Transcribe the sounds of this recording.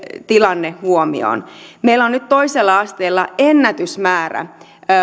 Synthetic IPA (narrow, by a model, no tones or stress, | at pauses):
t̪ilɑnːehhuomḭo̰nmeilːonnyt̪t̪o̞iselːɑɑst̪eːlːɑenːæt̪ysmæːræ̰